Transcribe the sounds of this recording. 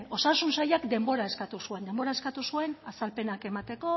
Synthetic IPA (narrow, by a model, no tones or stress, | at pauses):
o̞sasunsajakd̪e̞mbo̞ɾae̞skat̪usue̞nd̪e̞mbo̞ɾae̞skat̪usue̞nasalpe̞nake̞mat̪e̞ko̞